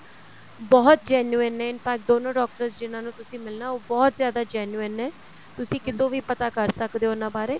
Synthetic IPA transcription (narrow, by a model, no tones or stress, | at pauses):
bɔːt̪̚d͡ʒɛːnjuːənɛːɪnpʰɛːk̚ʈ̚d̪oːnõːɖɔːk̚ʈəɾsd͡ʒɪnãːnũːt̪ʊsĩːmɪlnaːoːbɔːt̪zjaːd̪aːd͡ʒɛːnuənɛː | t̪ʊsĩːkɪt̪õːʋiːpət̪aːkəɾsəkd̪eːɦoːnãːbaːɾeː